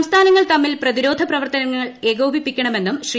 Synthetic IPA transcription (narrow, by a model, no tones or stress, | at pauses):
mst̪ʰaːnɐŋːɐɭt̪ɐmːilprɐðiɾo̞ːd̪ʱɐprɐʋɐrt̪ɐnɐŋːɐɐɭe̞ːɡoːbʱipːikʲːɐɳɐme̞nːumɕr